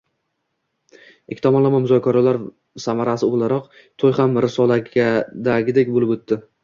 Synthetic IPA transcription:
ekʰʲɪ̥t̪ʰɒmɒnlˠamanmʊzɒkʲʰaɾalaɾ | samaɾasɪolˠaɾɒq | t̪ʰojhamɾɪsɒlˠaɡʲad̪aɡʲɪd̪ekʲbolɪbɵt̪ːɪ

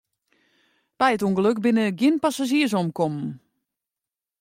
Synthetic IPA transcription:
b̥ɛjətuəŋɡəløkbɪnəɡɪnpasaʒiəs̬ɔmkɔmn̩

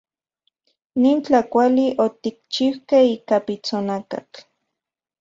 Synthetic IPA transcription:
nint͡ɬakʷaliʔot̪ik̚t͡ʃiwkeiːkapit͡sonaka̰t͡ɬ

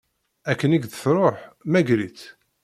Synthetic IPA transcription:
ækːəniɡðθɾˤoħmæɡɾit͡s

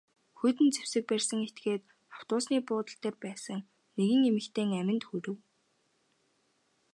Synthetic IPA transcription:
xɵt̪ɘ̆nt͡se̥w̥sɘ̆k̚pærʲsə̆ŋet̪ɡeːt̪ | ḁw̥t̪ʊːsniːpʊːt̪ə̆ɬt̪eːrpæːsə̆ŋ | neɣɘ̆ŋemɘ̆kt̪ʰeːŋæmʲɪ̆nt̪xɵɾɘ̆w

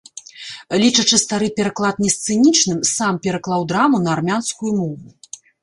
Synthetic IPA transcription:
lʲit͡ʂɐt͡ʂɨst̪aɾɨpʲɛɾaklˠat̪̚nʲɛst̪sɨnʲit͡ʂnɨmsampʲɛɾaklˠawd̪ɾamunɐːrmʲanskujumɔvu

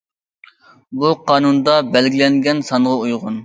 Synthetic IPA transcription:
buqʰɑːnund̪ɑbɛlɡʲilɛŋɡʲɛnsɑnʁɑujʁʊn

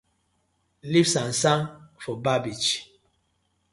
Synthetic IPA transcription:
lifsãnsãnfɔbabit͡ʃ

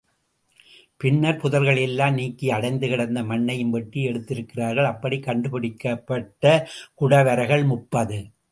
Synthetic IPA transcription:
pɪɳːɐɾpʊðɐlɣɐɭɛlːaːmniːkːiɐɽɐɪnd̪ɯɣɪɽɐnd̪ɐmɐɳːɐjɯmʋɐʈːiɛɽɯt̪ːɪɾɯkːɪraːɾɣɐɭɐpːɐɽikːɐɳɖɯpɪɽɪkːɐpːɐʈːɐkʊɽɐʋɐɾɐɣɐɭmʊpːɐðɯ

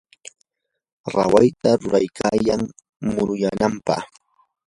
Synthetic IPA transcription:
ɾawajt̪aɾʊɾajkʰaːjaŋ | mʊɾʊjanampɑ̰χ

